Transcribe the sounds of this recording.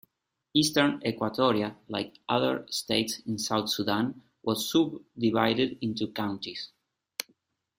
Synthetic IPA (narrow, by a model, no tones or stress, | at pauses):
istəɹnɛkwat̪ʰɔɾiala̰jkʔaðə̰˞steɪtsĩnsawθsuðãn | wʔɔzːubd̪ivajɾɪdɪ̃nt̪ukãʊ̃ntis